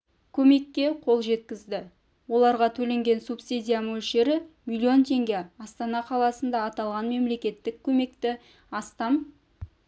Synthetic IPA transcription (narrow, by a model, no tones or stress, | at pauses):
kʲʰɵme̞kʲːe̞qʰo̞lˠʒe̞t̪̚kʲɪzd̪ɪ | wo̞lˠɑɾʁɑt̪ʰɵle̞ŋɡʲe̞nsupsid̪ʲijamɵlʃeɾɪmilʲːio̞nt̪ʰe̞ŋɡʲe̞ɑst̪ɑnɑqʰɑlˠɑsənd̪ɑːt̪ɑlˠʁɑnme̞mle̞kʲe̞t̪ːɪkʲʰɵme̞kt̪ɪ | ɑst̪ɑm